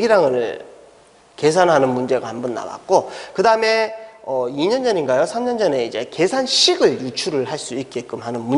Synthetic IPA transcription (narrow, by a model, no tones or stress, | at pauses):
ɡiɾaŋɯɭ | ke̞s̬ʰanɦanɯnmund͡ʑe̞ɡahambʌnːa̰wa̰k̚k͈okɯdaɯme̞ʌiɲʌnd͡ʑʌninɡajosʰamɲʌnd͡ʑʌne̞id͡ʑe̞ke̞sʰanɕʰiɡɯɭjut͡ɕʰuɾɯɭhaɭs͈uik̚k͈ek͈ɯmɦanɯnmu